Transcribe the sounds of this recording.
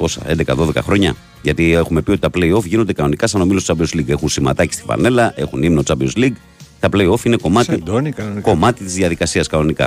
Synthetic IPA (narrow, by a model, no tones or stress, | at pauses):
t̪o̞sɐ̰end̪e̞kɐðo̞ðe̞kɐxɾo̞ɲɐ | ʝɐt̪ie̞xume̞piot̪it̪ɐpleio̞fʝino̞nd̪ekɐno̞nikɐsɐno̞milostot͡sɐbiozliɡe̞xunsimɐ̰t̪ɐci̥st̪i̥vɐ̰ne̞lɐʔe̞xunimnot͡sɐbiosliɡ | t̪ɐple̞io̞fine̞ko̞mɐt̪id̪nko̞mɐt̪it̪izðjɐðikɐsiɐskɐno̞nikɐ̰